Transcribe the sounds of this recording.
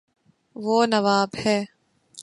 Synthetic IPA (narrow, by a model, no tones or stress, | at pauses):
ʋoːnɐʋaːbhɛː